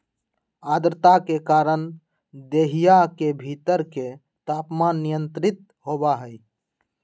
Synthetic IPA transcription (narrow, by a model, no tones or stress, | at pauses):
ad̪ɾət̪akekaːɾən | d̪eɦijakebʱit̪əɾke | t̪aːpmanːijənt̪ɾɪt̪̚ | ɦobaɦəj